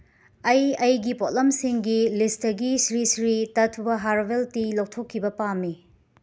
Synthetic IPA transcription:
ɐjɐjɡipotlɐmsiŋɡilistɐɡisɾisɾitɐtʰubɐɦaɾbeltilok̚tʰokʰːibɐpamːi

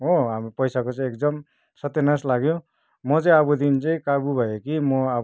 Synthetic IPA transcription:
oɦamipʌjsakot͡sʌ̃ĩekd̪ʌm | sʌt̪enaslaɡjõ | mʌt͡sʌ̃ĩabud̪int͡sʌĩkabubʱʌjekimʌa

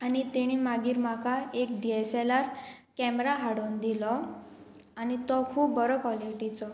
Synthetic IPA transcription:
añit̪iɽ̃imaɡiːɾm̤akaek̚ɖieselaɾ | kɛmɾaɦaɽond̪ilɔ | añit̪ɔkʰuːpːəɾɔkɔliʈit͡sɔ

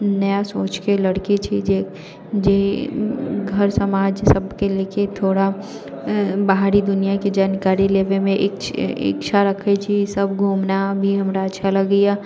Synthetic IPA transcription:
nɐjasoːt͡ʃkelɐɽkit͡ʃʰid͡ʒeː | d͡ʒe | ɡʱɐɾsɐmaːd͡ʒsɐbkeleket̪ʰoːɽa | baɦɾid̪ʊnijakid͡ʒaːnkaːɾileːʋemẽʔɪkɪ̰kʃʰaɾɐkʰet͡ʃʰisɐbɡʱuːmnabʱiɦɐmɾatːʃʰalɐɡəja

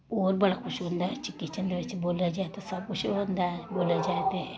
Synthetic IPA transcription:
oːɾbɐɽakʰuʃiɦond̪at͡ʃikːit͡ʃɐnd̪ʋet͡ʃeboːlad͡ʒaːt̪esɐb̚kuʃiɦond̪aboːlad͡ʒaːt̪e

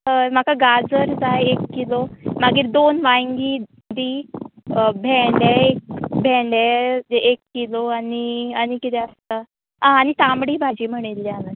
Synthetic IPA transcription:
əm̤akaɡad͡zəɾd͡zaekːilomaɡiːɾd̪onʋãŋɡiː | d̪iː | bʱɛ̃ɳɖeek̚bʱɛ̃ɳɖeeʔekːiloaniañikit̪ɛəst̪a | aañit̪ãmɽiːbʱad͡ʑiːm̤əɽ̃ilːjana

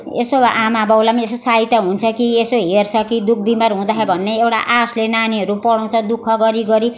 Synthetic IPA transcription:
esoaʔamabʌwlamiesosajʈʌɦunt͡sʰʌkiesoɦert͡sʰʌkid̪uk̚ʰbimarɦũd̪aɦebʱʌnːeewʈa̰ʔaslenaniɦʌɾupʌɽʌw̃t͡sʰʌd̪ukʰʌɡʌɾiɡʌɾi

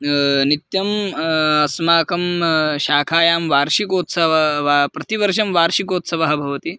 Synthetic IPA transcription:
nit̪jɐmɐsmaːkɐmʃaːkʰaːjaːmʋaːɾʃikoːt̪sɐʋɐʋapɾɐt̪iʋɐɾʂɐmʋaːɾʃikoːt̪sɐʋɐɦɐbʱɐʋɐt̪i

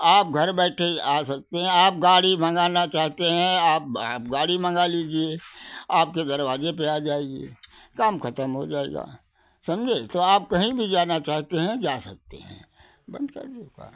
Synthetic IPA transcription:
aːp̚ɡʱɐɾbɛːʈʰeaːsɐk̚t̪eɦɛ̃aːp̚ɡaːɽibʱɐ̃ŋɡaːnat͡ʃaːɦt̪eɦɛ̃aːp̚aːpɡaːɽimʱɐ̃ŋɡaliːd͡ʒieaːp̚ked̪ɐɾwaːzepɛjad͡ʒaːeɡḛː | kaːmkʰɐt̪əmɦo̰d͡ʒaːḛːɡa̰ː | sɐmd͡ʒʱet̪oaːp̚kɐɦĩbʱid͡ʒaːnat͡ʃaːɦt̪eɦɛ̃d͡ʒaːsɐk̚t̪ḛɦɛ̰̃ | bɐ̰̃nd̪kɐ̰ɾd̪eoka̰ː

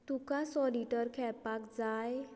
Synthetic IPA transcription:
t̪ukasɔliʈəɾkʰɛɭpakd͡zaj

